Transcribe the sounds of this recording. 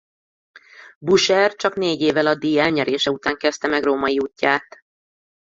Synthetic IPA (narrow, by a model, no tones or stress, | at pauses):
buʃɛrt͡ʃɒkneːɟeːvɛlɒd̪ːiɡɛlɲɛɾeːʃɛut̪aːŋkɛst̪ɛmɛɡroːmɒjiuːcːaːt̪